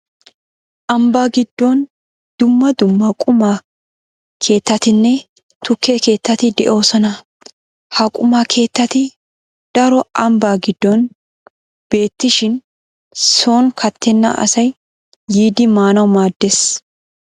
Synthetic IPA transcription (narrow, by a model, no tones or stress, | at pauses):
ʔɐmbaːɡɪd̪ːon | d̪̥ʊmːɐd̪ʊmːɐkʼʊma | kʰe̞ːt̪ːɐt̪ɪnːɛ | t̪ʊkːeke̞ːt̪ːɐt̪ɪd̪ɛ̰ʔo̞ːsɔnɐ | hɐkʼʊmaːkʰe̞ːt̪ːɐt̪ɪ | d̪̥ɐɾɔʔɐmbaːɡɪd̪ːɔn | b̥e̞ːt̪ːɪʃɪn | so̞ːnkʰɐt̪ːɛnːɐ̰ʔɐ̰sɐjː | iːd̪ɪmaːnɐwmaːd̪ːes